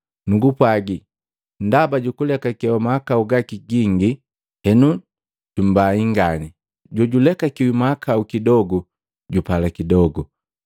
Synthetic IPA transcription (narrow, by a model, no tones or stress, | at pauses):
nuɡupwaɡi | ndabaɟukulɛkakɛwɔmaakauɡakiɡiŋɡi | hɛnu | ɟ̥um̩baiŋɡani | ɟɔɟulɛkakiwimaakʰaukidɔɡu | ɟupalakidɔɡu